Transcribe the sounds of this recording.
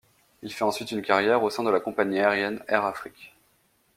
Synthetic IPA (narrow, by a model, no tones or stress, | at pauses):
ilfɛɑ̃sɥit̪ynkaʁjɛʁosɛ̃d̪əlakɔ̃paɲiaɛʁjɛnɛʁafχikʲ